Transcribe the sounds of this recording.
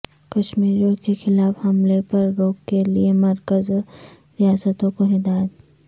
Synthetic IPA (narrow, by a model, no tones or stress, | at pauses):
kɐʃmiːɾijõkexɪlaːfhɐmlepɐɾːoːkːeliemɐɾkəz | ɾijaːsət̪õkoɦɪd̪aːjd̪